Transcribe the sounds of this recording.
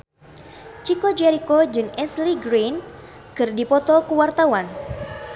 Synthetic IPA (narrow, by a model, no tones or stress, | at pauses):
t͡ʃikod͡ʒɛɾikod͡ʒɨŋɛsliɡɾen | kɨrdipɔt̪ɔkuwart̪awan